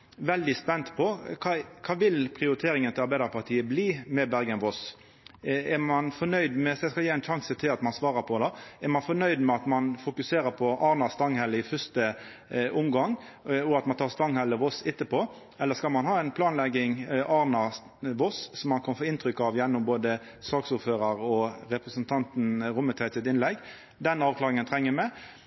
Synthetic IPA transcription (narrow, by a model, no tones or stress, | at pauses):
ʋɛld̪ɪspɛnt̪pʰɔkʰɑkʰɑːʋɪlpʰɾɪʊɾɪt̪ʰeːɾɪŋənt̪ʰɪlɑɾbæɪd̪əɾpʰɑɾt̪ʰiːəbliːmɛbæɾɡənʋɔs | ɛɾmɑnfɔnœʏd̪mɛsɛskɑliːæɪnʃɑŋsət̪ʰɪlɑt̪mɑnsʋɑːɾəɾpʰɔd̪ɑɛɾmɑnfɔnœʏd̪mɛɑt̪mɑnfʊkʉseːɾəɾpʰɔʔɑːɾnɑst̪ɑŋhɛlːəɪfœʂt̪ə | ʔʊmɡɑŋɔɑt̪mɑnt̪ʰɑːʁst̪ɑŋhɛlːəʋɔsɪt̪ːəpoː | ɛlːəskɑlmɑnɦɑːɛnpʰlɑːnlɛɡːɪŋʔɑːɾnɑ | ʋɔssɔmhɑnkʰɑnfoːɪnt̪ɾʏkːɑʋjɛnːʊmboːd̪ə | sɑːksʊɾføːɾəɾɔɾɛpɾəsənt̪ʰɑnt̪n̩ɾʊmːət̪ʰɛt̪ɪt̪ɪnlɛɡ | d̪ɛnɑːʋkʰlɑːɾɪŋənt̪ʰɾɛŋːəmɛ